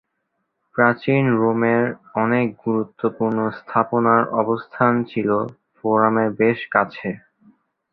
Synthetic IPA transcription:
pɾat͡ɕinɾomeɾɔnek̚ɡuɾut̪ːopuɾnost̪ʰaponaɾʔɔbost̪ʰant͡ɕʰilo | foɾameɾbeʃkat͡ɕʰe

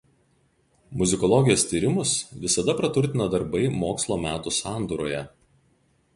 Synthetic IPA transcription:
mʊzʲɪkɔlˠɔɡʲɪjoːst̪ʲiːɾʲɪmʊsʋʲɪsɐd̪ɐpɾɐt̪ʊɾʲt̪ʲɪnɐd̪ɐɾbɐɪmoːkslˠoːmʲæːt̪ʊsɑːˑnd̪uːɾoːjɛ

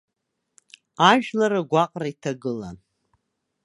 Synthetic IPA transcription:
aʒᶣlaɾaɡʷaqʼraitʰaɡɨla̰n

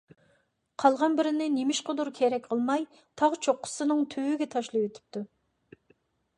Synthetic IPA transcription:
qʰɑlˠʁɑnbɪɾɪnɪnemɪʃqʰʊd̪uɾkʲʰɛɾɛk̚ʲqʰəlˠmɑj | t̪ʰɑʁt͡ʃʰoqːʊ̥sɨnɨŋt̪ʰywyɡʲɛt̪ʰɑʃlˠɑjwet̪ʰɪ̥p̚t̪u

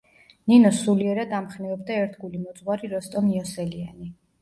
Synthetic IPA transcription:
ninɔsuliɛɾad̪amχnɛɔbd̪aɛɾt̪ʰɡulimɔt̪sʼʁwaɾiɾɔst̪ʼɔniɔsɛliani

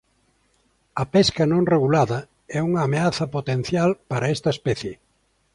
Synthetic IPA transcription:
ɐpɛskɐnõŋreɣulaðɐ | ɛuŋɐːmeaθɐpot̪en̟θjalpaɾɐest̪ɐespɛθje

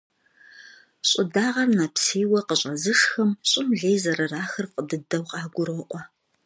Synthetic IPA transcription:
ɕʼɪdaːʁɐrnɐpseːwɐqəɕʼɐzɨʂxɐmɕʼɪmɮeːjzɐɾɐraːxɨrqədɨdɐwqʼɑːɡʷʊɾɐʔʷʼɔ

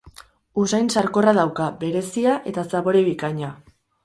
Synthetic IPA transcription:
usajnsaɾko̞rað̞awkabe̞ɾe̞siaʔe̞t̪asaβo̞ɾeβikaɲa

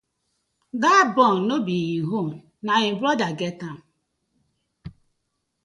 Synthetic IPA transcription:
datbɔnnobiiɦom | naɪbɾɔdaɡetam̩

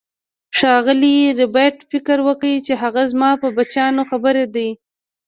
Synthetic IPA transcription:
ʃɑɣɪliɾɪbaʈfɪkəɾwəkəit͡ʃeɦaɣazmɑpəbat͡ʃɑnoxabəɾed̪aj

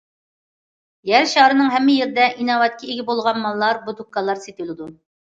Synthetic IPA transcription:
jæɾʃɑɾɨnɨŋɦɛmːɪjeɾd̪ɛʔinɑvɑt̪̚kʲʰiiɡʲɪbolˠʁɑnmɑlˠːɑɾbud̪ukːɑlˠːɑɾset̪ilˠɨd̪u

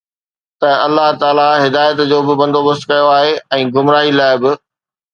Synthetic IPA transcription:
t̪ɐɐlːaɦt̪aːlaɦɪd̪aːjət̪d͡ʑoːbɪbɐ̃nd̪obɐst̪kɐjoaːɦeɛ̃ːɡʱʊmɾaːɦilaːɪbɪ

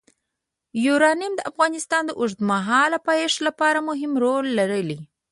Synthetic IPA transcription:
juɾɑnjmd̪əʔafɣɑnɪst̪ɑnd̪əʔʊʐd̪əmaɦɑlapajeʂlapɑɾamʊɦɪmɾolːaɾəli

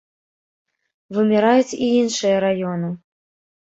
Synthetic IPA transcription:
vɨmʲiɾajut͡sʲiinʂɨjɐɾajɔnɨ

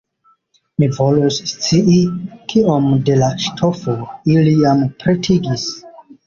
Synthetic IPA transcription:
mivo̞lust͡siʔikʰiomde̞laʃtʰo̞foilijampɾetʰiɡis

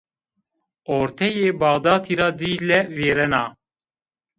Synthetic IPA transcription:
oːɾt̪ʰɛjeːbɑːɣd̪ɑːt̪ʰiːɾɑːd̪iːlɛveːɾɛnɑː

